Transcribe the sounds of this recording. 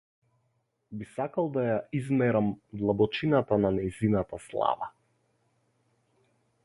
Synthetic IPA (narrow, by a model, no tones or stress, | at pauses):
bisakalˠd̪ajaizmɛɾamd̪lˠabɔt͡ʃinat̪ananɛjzinat̪aslˠa̰va